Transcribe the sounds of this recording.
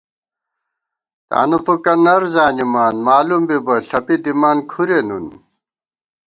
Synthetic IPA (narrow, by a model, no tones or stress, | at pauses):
t̪a̰ːnɐfukɐnɐɾzaːnimaːnmaːlumbibɐɬɐpid̪imaːnkʰuɾenun